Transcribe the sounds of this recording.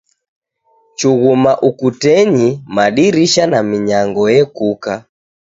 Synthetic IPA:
t͡ʃuɣumaʔukutɛɲimaɗiɾiʃanamiɲaŋɡɔjɛkuka

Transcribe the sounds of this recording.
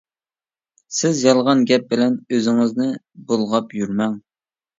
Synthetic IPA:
sɪzjɑlˠʁɑnɡʲɛp̚bɪlɛnøzɪŋɪznɪ | bolˠʁɑpjyɾmɛŋ

